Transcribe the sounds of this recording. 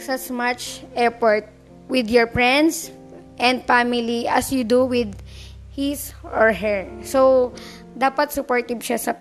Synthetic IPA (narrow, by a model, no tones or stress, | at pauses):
sasmat͡ʃɛpɔɹt̪̚ | wɪd̪jɔɹpɹɛ̃nd̪s | ʔɛ̃nd̪̚famɪliʔɐsjud̪uwɪd̪̚hisɔɹɦɛɹsow | d̪aːpɐt̪̚sʊpɔɹt̪ɪbʃasɐ